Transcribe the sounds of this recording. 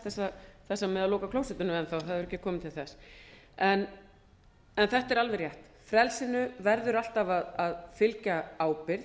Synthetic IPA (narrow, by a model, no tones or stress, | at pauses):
θɛsːaθɛsːamɛðaloːkakʰlowsɛt̪ʏnʏmɛnθawθaðɛɾɛhcɪkʰɔːmɪnt̪ʰɪlθɛs | ɛn | ɛnθɛht̪ɛɾalvɛrjɛht̪ | fɾɛlsɪnʏvɛɾðʏɾal̥t̪avaðaðfɪlcaaːwpɪɾ